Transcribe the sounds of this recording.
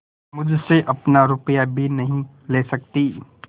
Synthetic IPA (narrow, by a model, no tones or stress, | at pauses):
mʊd͡ʒʱseʔɐpnaɾʊpjabʱinɐɦĩ | leːsɐk̚t̪iː